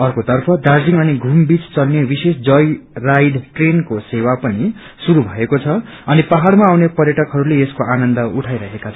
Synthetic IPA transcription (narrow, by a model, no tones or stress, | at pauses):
ʌrkot̪ʌrpʰʌɖard͡ziŋʌniɡʱumbit͡st͡sʌlnebisesd͡zʌjrajɖʈrenkosewapʌni | suɾubʱʌekot͡sʰʌ | ʌnipaɦaɽmaːwnepʌrjʌʈʌkɦʌɾuleeskoʔanʌnd̪ʌuʈʰajɾʌɦekat͡sʰ